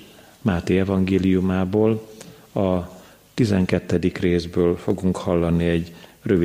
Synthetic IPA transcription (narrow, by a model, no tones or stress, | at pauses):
maːt̪eːɛvɒŋɡeːlijumaːboːlɒ | t̪izɛŋkɛt̪ːɛd̪ikreːzbøːlfo̞ɡuŋkhɒlːɒniɛɟrøvi